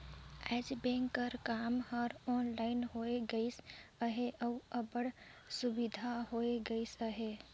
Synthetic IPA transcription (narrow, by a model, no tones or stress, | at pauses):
ɛd͡ʒbẽŋkːəɾkamhɔɾɔnlaɪnɦoeɡəɪsəɦeʔəuəbəɽsubid̪ʱaɦoeɡəɪsəɦe